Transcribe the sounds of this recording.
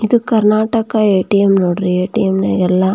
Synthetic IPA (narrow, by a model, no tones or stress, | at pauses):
id̪ukɐɾnaːʈɐkaeːʈijemnoːɽɾieːʈijemnḛːɡɛlːɐ